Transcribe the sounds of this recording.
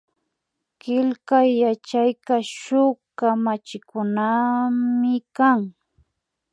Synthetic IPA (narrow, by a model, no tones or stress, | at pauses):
kɪlkajːat͡ʃajkaʃʊkamat͡ʃɪkʊnamɪkaŋ